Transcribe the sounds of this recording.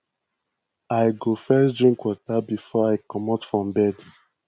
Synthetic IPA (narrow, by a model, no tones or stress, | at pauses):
ajɡofɛsdɹĩŋkwɔtabifɔaɪkɔmatfɹɔ̃mbɛd